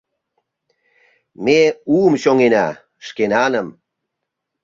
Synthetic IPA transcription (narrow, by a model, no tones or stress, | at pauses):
meuəmɕoŋenɑ | ʃkenɑnəm